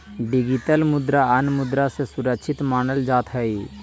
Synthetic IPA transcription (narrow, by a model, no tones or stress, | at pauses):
ɖiɡiʈəlmʊd̪ɾaənmʊd̪ɾasesʊɾəkt͡ʃʰɪt̪maːnəld͡ʒaːt̪ɦɛi